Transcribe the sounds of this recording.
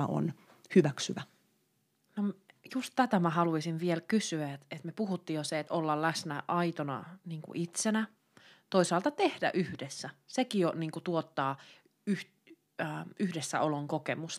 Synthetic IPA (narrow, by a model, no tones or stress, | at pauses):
ɑ̰o̰n | hyʋæksyʋæ | nomjust̪t̪æt̪æmæhɑluisinʋielkysyæet̪et̪mepuhut̪ːiːjoseet̪olːɑllæsnæʔɑit̪onɑ̰niːŋkṵʔit̪senæ | t̪oisɑːlt̪ɑt̪ehdæ̰ʔyhdesːæsekijoniːŋkut̪uot̪ːɑː | yh | yhdesːæ̰ʔoloŋkokemus